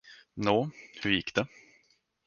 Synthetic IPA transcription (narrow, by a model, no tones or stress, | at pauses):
noːhɵɾjɪkːd̪ɛ